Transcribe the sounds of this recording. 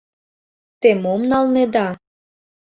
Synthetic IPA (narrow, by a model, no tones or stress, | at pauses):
t̪emomnɑlned̪ɑ